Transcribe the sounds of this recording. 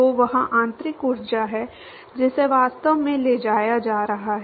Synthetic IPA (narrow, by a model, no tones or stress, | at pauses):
oʋɐɦãʔãːnt̪ɾɪkʊɾd͡ʒaɦɛ | d͡ʒɪseʋaːst̪əʋmẽleːd͡ʒaːjad͡ʒaːɾɐɦaɦ